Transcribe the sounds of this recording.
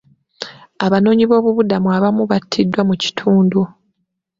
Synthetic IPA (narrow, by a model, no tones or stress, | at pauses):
aβano̞ːɲiβo̞ːβuβudamuaβamuβatʰːidːwamuci̥tʰuːndu